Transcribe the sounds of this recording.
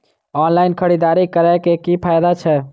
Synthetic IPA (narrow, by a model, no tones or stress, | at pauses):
ɔnlaɪnkʰəɽid̪aɾikəɾakekipʰajd̪at͡ʃʰɛ